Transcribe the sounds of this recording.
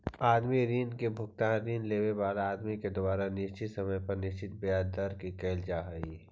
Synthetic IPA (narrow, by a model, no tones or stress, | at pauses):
aːd̪miɾiːnkebʱʊkt̪ãːnɾiːnleːʋebaːlaːd̪miked̪ʊbaːɾanɪʃt͡ʃɪt̪sɐməjpɐɾnɪʃt͡ʃɪt̪̚bejaːd̪aɾkikeːld͡ʒaːɦəiː